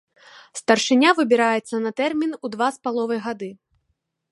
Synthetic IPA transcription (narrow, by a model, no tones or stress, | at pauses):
st̪ɐrʂɨnʲavɨbʲiɾajɛt̪sːɐnɐt̪ɛrmʲinud̪vaspalˠɔvɐjɣad̪ɨ